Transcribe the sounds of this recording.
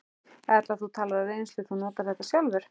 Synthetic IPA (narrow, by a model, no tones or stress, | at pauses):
ɛt̪laðθut̪ʰaːlaɾaejnslʏθunɔːt̪aɾ̥θɛht̪asjalvʏɾ̥